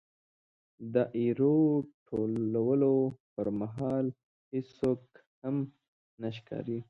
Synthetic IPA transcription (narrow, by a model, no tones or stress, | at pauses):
d̪əʔiɾoʈʰolawəlopəɾmaɦɑl | hɪsok | ham | naʃ̬kɑ̰ɾi